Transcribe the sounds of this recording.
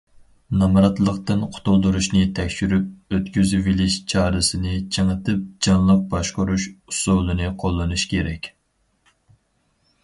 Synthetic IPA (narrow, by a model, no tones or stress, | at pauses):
nɑmɾɑt̪lˠəqt̪ɨnqʰʊ̥t̪ʰulˠd̪uɾuʃnɨt̪ʰɛkʲʃyɾyp̚øt̪kʲyzyvilɪʃt͡ʃʰɑːɾɨsɨnɨt͡ʃʰəŋɨt̪ʰɨp̚d͡ʒɑnlˠəq̚bɑʃqʊɾuʃusulˠɨnɨqʰolˠːɨnuʃkʲʰeɾɛkʲ